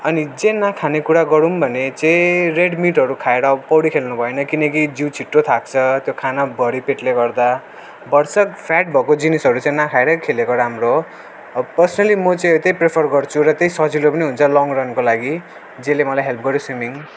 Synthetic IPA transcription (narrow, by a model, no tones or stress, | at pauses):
ʌnid͡zenakʰanekuɽaɡʌɾumbʱʌnet͡sẽreɖmiʈɦʌɾukʰaeɽʌpʌwɽikʰelnubʱʌenʌkinʌkid͡ziwt͡sʰiʈrot̪ʰak̚t͡sʰʌt̪jokʰanabʱʌɾipeʈleɡʌrd̪a | bʌrsʌkpʰaʈ̚bʱʌkod͡zinisʌɾut͡sãĩnakʰaeɾʌkʰelekoɾamro | pʌrsʌnʌlimʌt͡sãt̪ejprepʰʌrɡʌrt͡sʰuɾʌt̪ejsʌd͡zilopʌniɦunt͡sʰʌlɔŋɡrʌnkolaɡi | d͡zelemʌlajɦelp̚ɡʌɾjoswimiŋ